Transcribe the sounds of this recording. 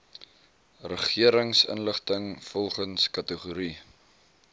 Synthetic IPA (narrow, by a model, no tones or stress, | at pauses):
rəχiəɾəŋsə̰nləχtəŋfɔlˠχənskɐtəχuɾi